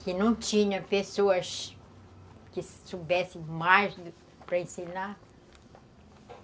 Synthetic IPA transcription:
kɪnɐ̃w̃t͡ʃĩɲɐ̃pesoɐʃ | kɪsobɛsẽmajʃd̪ | pɾɐẽsina

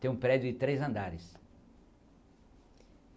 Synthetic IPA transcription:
t̪ẽũpɾɛd͡ʒʊɪt̪ɾejzɐ̃nd̪aɾɪs

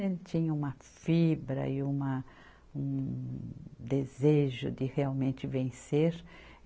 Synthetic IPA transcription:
ẽt͡ʃ̪ĩɲɐũmɐ | fibɾɐ̰ɪũmɐ | ũ | d̪ezeʒʊ̰d̪ɪheawmẽnt͡ʃ̪ɪvẽseɾ

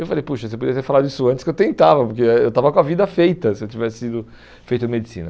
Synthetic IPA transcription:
ewfalejpuʃɐsep̬od̪iɐt̪eɾfalad̪ʊisʊɐ̃t̪t͡ʃɪ̥skewt̪ẽnt̪avɐpoɾk̬eewt̪avɐkõɐvid̪ɐfejt̪ɐsɪewt͡ʃivɛsɪ̥sid̪ʊ | fejt̪ʊ̃med͡ʒisḭ̃nɐ

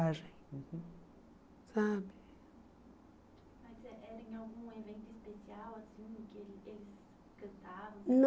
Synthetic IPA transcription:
ʒẽj̩̃h̩ | sabɪ | mazɛʔɛɾɐ̃j̃awɡũevẽnt̪ʊispesiawasĩʊkɪelelɪs | kɐ̃nt̪avɐ̃w̃n

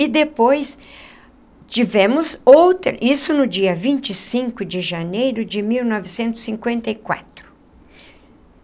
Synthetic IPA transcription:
ɪd̪epojs | t͡ʃivẽmʊzowt̪ɾɐʔisʊnʊd͡ʒiɐvĩnt͡ʃɪsĩŋkʊd͡ʒɪʒanejɾʊd͡ʒɪmiwnɔvɪsẽnt̪ʊ̥sːĩŋkwẽnt̪ɐɪkwa̰t̪ɾʊ

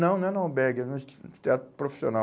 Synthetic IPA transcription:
nɐ̃w̃nɐ̃nɐ̃bɛɡɐnũt̪ɛt̪pɾofi̥siona

